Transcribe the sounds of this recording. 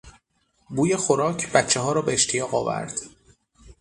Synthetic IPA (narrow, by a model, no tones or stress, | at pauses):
buːjexoɾɒːcʰb̥æt̪t͡ʃːe̞ɦɒːɾɒːbeeʃt̪ʰijɒːɣɒːvæ̰ɾd̪̥